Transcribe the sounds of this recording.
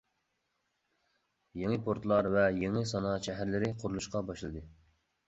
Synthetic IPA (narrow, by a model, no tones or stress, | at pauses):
jeŋəpʰoɾt̪lˠɑɾvɛjeŋɨsɑnɑʃɛɦæɾlɪɾɪqʰoɾulˠuʃqɑbɑʃlˠɨd̪ɨ